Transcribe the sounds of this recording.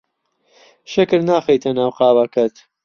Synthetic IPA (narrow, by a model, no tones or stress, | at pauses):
ʃɪkɨɾnaːxejt̪ʰɐnaːwqɑːwɐkɐt̪